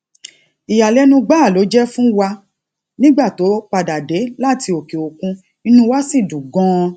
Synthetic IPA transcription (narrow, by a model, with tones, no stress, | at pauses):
i˨ja˨lɛ˨˦nũ˧ɡ͡ba˦˨lo˨˦d͡ʒɛ˦fũ˦wa˧ | nĩ˦ɡ͡ba˦˨to˨˦k͡pa˧da˨de˨˦la˦˨ti˧o˨ke˨o˨kũ˧ | i˧nũ˧wa˦si˦˨dũ˨ɡɔ̃˦